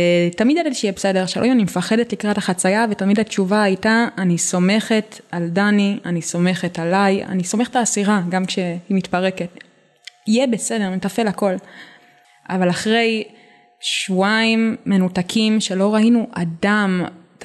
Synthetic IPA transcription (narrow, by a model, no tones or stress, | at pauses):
tamidjadatʃejɛbese̞deʁʃa̰lʔo̰animefaχe̞detlikʁataχat͡sajavetamidat͡ʃuvaːjtaaniso̞me̞χe̞taldanianiso̞me̞χe̞talaja̰niso̞me̞χetaːsiʁaɡamkʃe̞himitpaʁe̞ke̞t | ijebe̞se̞de̞ʁmetafe̞lako̞l | ʔa̰valaχʁe̞j | ʃvuaimːe̞nutakʰimʃe̞lo̞ʁainuʔadam